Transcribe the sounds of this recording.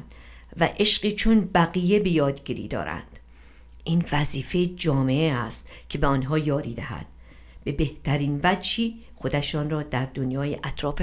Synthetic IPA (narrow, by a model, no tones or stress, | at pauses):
væʔeʃɢiːt͡ʃʰonbæɣiːje̞be̞jɒːd̪ɟiːɾḭːd̪ɒ̰ːɾæ̰nd̪̥ | ʔiːnvæziːfed͡ʒɒːmeeæst̪cʰe̞beɒːnɦɒːjɒːɾḭːd̪æ̰hæ̰d̪̥ | be̞be̞ht̪ʰæɾiːnvæd͡ʒhiː | xo̞d̪æʃɒːnrɒːd̪æɾd̪onjɒːjeʔæt̪ʰɾɒːfe